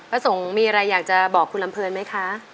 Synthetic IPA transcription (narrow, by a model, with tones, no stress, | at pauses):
pɾa˧so˩˦ŋmiː˧ʔa˧ɾa˧jːaː˨˩k̚t͡ɕa˨˩bɔː˨˩kʰːu˧nla˧mpʰɤː˧nma˦˥jkʰa˦˥